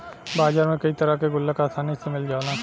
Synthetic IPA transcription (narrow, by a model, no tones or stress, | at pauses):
baːd͡ʒaːɾmẽkɐit̪ɐɾakeɡʊlːəkaːsaːnisemɪld͡ʒaːnaː